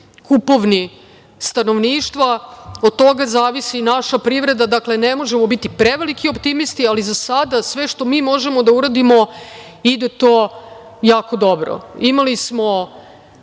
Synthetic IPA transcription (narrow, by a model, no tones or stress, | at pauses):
kupoʋni | st̪ano̞ʋniːʃt̪ʋaod̪̚t̪o̞ɡazaːʋisinaʃapɾiʋɾe̞d̪ad̪akle̞nemo̞ʒemobit̪ipɾeʋelikiopt̪imist̪ializasad̪asʋe̞ʂt̪o̞miːmo̞ʒemod̪auɾad̪imo̞ | id̪e̞t̪o̞ː | jaːko̞d̪o̞bɾo̰imalismo